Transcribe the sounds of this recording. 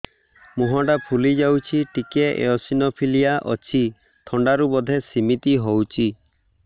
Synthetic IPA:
muɦɔʈapʰulid͡ʒawt͡ʃʰiʈikeʔḛɔsinɔpʰilijaʔɔ̰t͡ʃʰi | t̪ʰɔɳɖaɾubɔd̪ʱesimit̪iɦowt͡ʃʰi

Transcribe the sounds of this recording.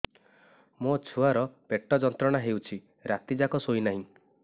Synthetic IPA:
mot͡ʃʰuaɾɔpeʈːɔd͡ʒɔnt̪ɾɔɽ̃aɦewt͡ʃʰi | ɾat̪id͡ʒakɔsoinaɦĩ

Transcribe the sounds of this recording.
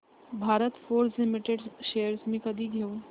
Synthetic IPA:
bʱaːɾət̪foːɾslɪmɪʈeɖʃejəɾsmĩkəd̪ʱiɡʱeo

